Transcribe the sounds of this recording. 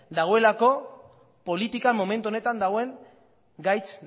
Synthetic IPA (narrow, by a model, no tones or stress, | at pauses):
d̪aɣ̞o̞e̞lako̞ | po̞lit̪ikamo̞me̞nt̪uone̞t̪and̪aɣoe̞ŋ | ɡajt͡s